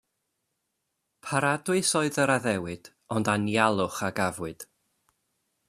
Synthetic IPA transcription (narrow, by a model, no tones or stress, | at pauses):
pʰaɾadwɨsɔɨðəɾaðɛwɨd̥ | ɔndanjalˠʊχaɡavwɨd̥